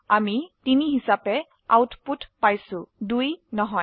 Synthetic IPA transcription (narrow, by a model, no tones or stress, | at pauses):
amitiniɦisapɛ | a̰wtputpajsʊ̃dujnɔɦɔj